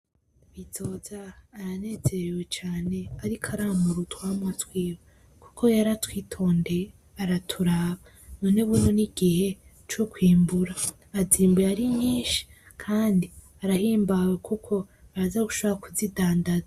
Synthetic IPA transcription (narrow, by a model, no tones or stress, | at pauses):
βizo̞ːzaːɾane̞ːze̞ɾɾewe̞t͡ʃaːne̞aɾikʰaɾaːmuɾutwaːmutwiːwe | ku̥kʰo̞jaɾatwiːtʰo̞ːnde̞ | aɾatʰuɾaːβa | noneβunoniɡ̥ihe̞ | t͡ʃokwiːmbuɾaː | ziːmbeaɾiɲiːnʃi̥ | kʰaːndi | aɾahiːmbawekʰukʰo̞aɾazaɡuʃoβaɾakuzidaːndaza